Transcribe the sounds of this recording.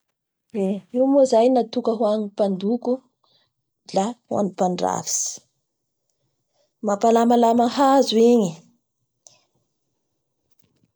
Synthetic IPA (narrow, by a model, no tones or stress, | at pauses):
eiwmozajnat̪ukəɦwaɲipand̪uku | lahwa̰nipaɳɖ͡ʐa̰vi̥si̥ | mapalamalamaɦazuiɲi